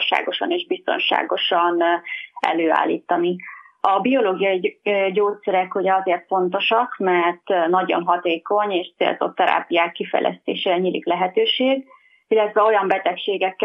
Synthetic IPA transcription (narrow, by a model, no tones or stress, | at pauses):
ʃa̰ːɡo̞ʃɒneːʒbist̪o̰nʃa̰ːɡo̞ʃɒnɛ̰løːa̰ːlːḭːt̪ːɒniɒbio̞loːɡijɒiɟoːt̪sɛɾɛkhuɟɛɒzeːrt̪fo̞nt̪o̞ʃɒkmɛrt̪nɒɟo̞̰nɦɒt̪eːko̞ɲeːʃt̪sḛːlzo̞̰t̪ːɛɾa̰ːpijaːkːifɛ̰jlʔɛ̰st̪ḛːʃeːɾɛɲiːlḭklɛɦɛt̪øːʃeːɡ | ilːɛt̪ʋɛo̞jɒmbɛt̪ɛkʃeːɡɛkː